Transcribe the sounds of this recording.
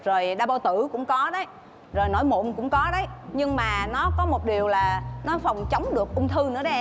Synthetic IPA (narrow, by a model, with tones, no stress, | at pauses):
zo˨˩jɗaː˧ɓa˧wt̪ɨ˧˩kʊ̰˧˥ŋ͡mkɔ˨˦ɗə˨˦j | zo˨˩jno̰˧˩˦jmṵ˧˨nkʊ̰˧˥ŋ͡mkɔ˨˦ɗə˨˦jɲɨ˧ŋmaː˨˩nɔ˨˦kɔ˨˦mo˨˩t̚ɗi˨˩əwlaː˨˩nɔ˨˦fə˨˩wŋ͡mt͡ɕə˨˦wŋ͡mɗɨ˨˩ək̚ʔʊ˧ŋ͡mt̪ʰɨ˧nɨ̰˧˥ə˦ɗə˨˦